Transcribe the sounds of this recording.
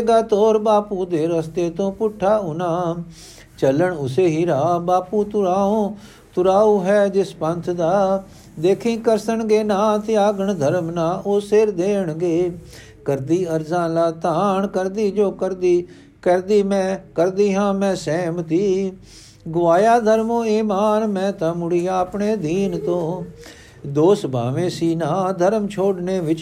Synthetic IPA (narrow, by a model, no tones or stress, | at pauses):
ɡaːt̪oːɾbaːpuːd̪eːɾəst̪eːt̪õːpʊʈʰːaːʊnaː | t͡ʃələɳʊseːɦiːɾaːbaːpuːt̪ʊɾaːõː | t̪ʊɾaːuːɦɛːd͡ʒɪspə̃nt̪ʰd̪aː | d̪eːkʰĩːkəɾsəɳɡeːnãːt̪ɪjaːɡəɳd̪ʱəɾmnãːʔoːseːɾd̪eːəɳɡeː | kəɾd̪iːəɾzãːlaːt̪aːɳkəɾd̪iːd͡ʒoːkəɾd̪iː | kəɾd̪iːmɛ̃ːkəɾd̪iːɦãːmɛ̃ːsɛːmt̪iː | ɡʊʋaːjaːd̪ʱəɾmõːiːmaːnmɛ̃ːt̪amʊɽiːaːpɳeːd̪iːnt̪õː | d̪oːsbʱa̰ːʋẽːsiːnãːd̪ʱəɾmt͡ʃʰoːɖneːʋɪt͡ʃ